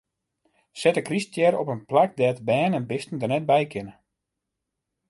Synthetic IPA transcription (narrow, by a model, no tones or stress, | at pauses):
sɛtəkristjɛɾɔpənplak̚dɛːtbɛːnɛnbɪstən̩dərnɛt̚bɛjkɪnə